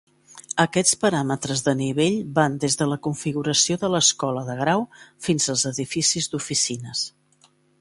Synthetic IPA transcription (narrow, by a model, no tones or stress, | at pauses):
əkɛt͡spəɾamət̪ɾəzðəniβ̞eʎband̪ezðələkuɱfiɣuɾəsioðələskɔləðəɣ̞ɾawfinzəlˠzəðifisizd̪ufisinəs